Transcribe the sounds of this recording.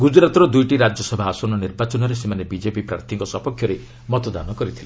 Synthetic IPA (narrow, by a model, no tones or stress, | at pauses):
ɡud͡ʒɾat̪ɔɾɔd̪ujʈiɾad͡ʒjɔsɔbʱaːsɔnɔniɾbat͡ʃɔnɔɾesemanebid͡ʒepipɾa̰ɾt̪ʰiŋkɔsɔpɔkʰjɔɾe | mɔt̪ɔd̪a̰nɔkɔɾit̪ʰilẽ